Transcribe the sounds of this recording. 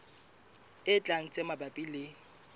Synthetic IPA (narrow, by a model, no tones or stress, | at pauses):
ɪt͡ɬʼaŋ̩t͡sʼemabapʼilɪ